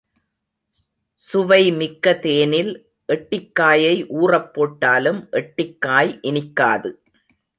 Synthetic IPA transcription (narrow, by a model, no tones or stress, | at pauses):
sʊʋɐɪmɪkːɐt̪eːnɪl | ʔɛʈːɪkːaːjɐɪʔuːrɐpːoːʈːaːlɯmʔɛʈːɪkːaːjʔɪnɪkːaːðɯ